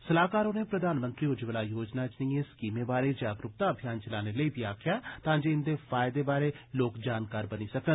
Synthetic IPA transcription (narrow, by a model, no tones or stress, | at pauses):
səlaːkaːɾoneːpɾəd̪aːnmə̃nt̪ɾiːod͡ʒiʋəlaːjoːd͡ʒnaːt͡ʃniːẽːskiːmẽːbaːɾeːd͡ʒaːɡɾʊp̚t̪aːəbʱijaːnt͡ʃəlaːneləiːbiaːkʰɪjaːt̪ãːd͡ʒeːɪnd̪eːfʰaːɪd̪eːbaːɾeːloːkd͡ʒaːnkaːɾbəniːsəkən